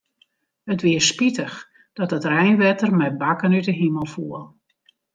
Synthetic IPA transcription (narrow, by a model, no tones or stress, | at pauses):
ətʋɪəspitəx | d̥ɔt̚dətrɛjnʋɛtərmɛbakənytəɦiməlˠfuəlˠ